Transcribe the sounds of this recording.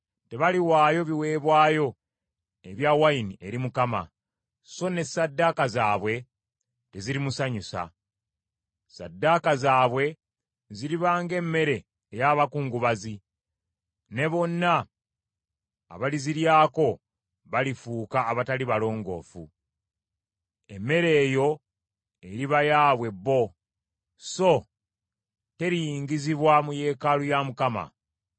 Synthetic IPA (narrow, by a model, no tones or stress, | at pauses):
te̞βaliwaːjo̞βiwe̞ːβwaːjo̞ | eβjawainiʔe̞ɾimukama̰ | so̞ne̞sadːakazaːβwe̞ | te̞ziɾimusaɲusa̰ | sa̰dːakazaːβwe̞ | ziɾiβaːŋɡe̞mːe̞ɾe̞ː | jaβakuːŋɡuβazi | ne̞βo̞nːa | βaliziɾjaːko̞ | βalifuːkaːβataliβalo̞ːŋɡo̞̰ːfṵ | e̞mːe̞ɾe̞ːjo̞ | eɾiβajaːβwe̞bːo̞ | so̞ | te̞ɾijiːŋɡiziβwamuje̞ːkalujamukama̰